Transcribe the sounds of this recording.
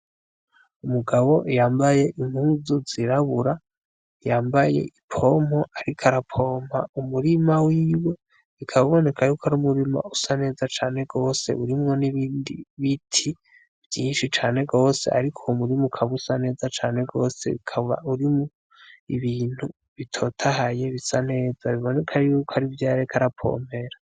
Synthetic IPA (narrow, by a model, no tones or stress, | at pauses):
umuɡaβo̞ʔjaːmbaje̞ʔimuzuziɾaβuɾa | jaːmbaje̞̰ʔipʰo̞mo̞ʔaɾikʰaɾapʰo̞ːma̰umuɾimawiːwe̞ | βikʰaβaβo̞ne̞kʰajukʰaɾumuɾima̰usane̞ːzat͡ʃaːne̞ɡo̞ːse̞̰uɾimŋo̞niβiːndḭβitʰi | v̥jiːnʃit͡ʃaːne̞ɡo̞ːse̞̰ʔa̰ɾikʰo̞umuɾimukʰaβusane̞ːzat͡ʃaːne̞ɡo̞̰ːse̞̰βikʰaβa̰uɾimo | iβiːn̥hu | βitʰo̞ːtʰahaje̞βisane̞ːzaβiβo̞ne̞kʰajuːkʰoaɾivjaːɾakʰaɾapʰo̞̰me̞ɾa